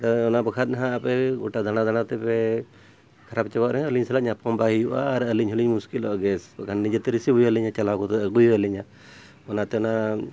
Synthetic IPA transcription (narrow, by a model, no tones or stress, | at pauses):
taɔnabəkʰat̪̚naɦãʔapɛɡɔʈad̪anad̪añat̪ɛpɛ | kʰaɾap̚t͡ʃɛbaʔɾɛɦəliɲsalaʔɲapɔmbaɦijuʔa̰ːɾəliɲɦuliɲmuskilɔʔɡɛsbakʰanːid͡ʒɛt̪ɛɾisibujəliɲat͡ʃalakɔt̪ɔɡujuəliɲa | ɔnat̪ɛɔna